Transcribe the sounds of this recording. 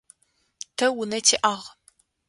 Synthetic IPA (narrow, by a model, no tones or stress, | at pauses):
tʰɐwʊnɐtʰiʔaːʁ